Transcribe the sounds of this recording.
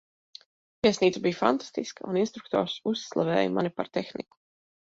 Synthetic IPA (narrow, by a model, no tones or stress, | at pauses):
vʲiɛsniːt̪sabijfant̪ḁst̪iskauninst̪ɾuk̚t̪ɔ̰ːɾsusːlˠa̰vɛ̰ːjma̰nʲipa̰ɾt̪exnḭku̥